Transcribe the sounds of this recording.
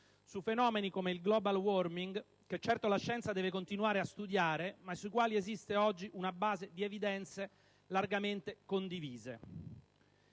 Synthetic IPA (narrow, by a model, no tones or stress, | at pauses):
sufenɔːmenikomeilɡlɔːbalwɔrmiŋɡ | ket͡ʃːɛrt̪olaʃːɛnt̪sad̪ɛːvekont̪inuaːɾeast̪ud̪jaːɾemasːuikwaːliezist̪eɔd͡ʒːiʔunabaːzed̪ievid̪ɛnt̪se | larɡament̪ekond̪iviːzḛ